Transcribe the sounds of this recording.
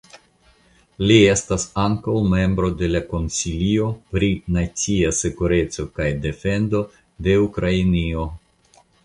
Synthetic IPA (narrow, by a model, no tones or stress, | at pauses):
lie̞stasaŋkawme̞mbɾo̞de̞lako̞nsilio̞pɾinat͡siase̞kuɾe̞t͡so̞kajde̞fe̞ndo̞ | de̞ukɾainio̞